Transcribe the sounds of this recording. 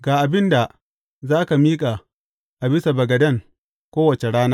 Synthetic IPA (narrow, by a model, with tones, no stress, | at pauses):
ɡaː˨ʔa˨bɪ˦nda˨ | zaː˦ka˨miː˦kʼa˨ | ʔa˨bɪ˦sa˨bɐ˨ɡɐ˨dɐ˦˨ŋ | kʷoː˦wɐ˨t͡ʃe˨ɽaː˦naː˦